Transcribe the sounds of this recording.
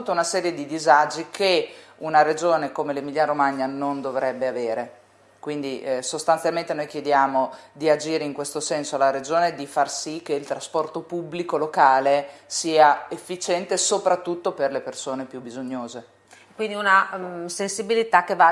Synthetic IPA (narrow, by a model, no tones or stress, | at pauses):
ut̪ːaunasɛːɾjed̪id̪izad͡ʒikʰeunaɾed͡ʒoːnekomelemiʎːaɾomaɲːanond̪ovɾɛbːeaveːɾe | kwind̪isost̪ant̪jalmẽnt̪enojk̟jed̪jaːmod̪iad͡ʒiːɾeiŋkwest̪osɛnsoalaɾed͡ʒoːned̪ifarsik̟ːeilt̪ɾaspɔrt̪opubːlikolokaːlesiːaefːit͡ʃɛnt̪esopɾat̪ːut̪ːoperlepersoːnepjubːizoɲːoːze | kwind̪iunasensibilit̪akːeva